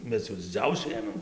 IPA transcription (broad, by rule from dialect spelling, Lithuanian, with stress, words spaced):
ˈmʲɛs jɛʊ dʲɪˈd͡zʲɛʊsʲʊ ˈeːmʲeːm